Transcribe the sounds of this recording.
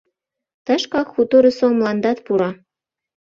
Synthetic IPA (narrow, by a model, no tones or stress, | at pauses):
t̪ɑʃkɑkxut̪oɾesomlɑnd̪ɑt̪puɾɑ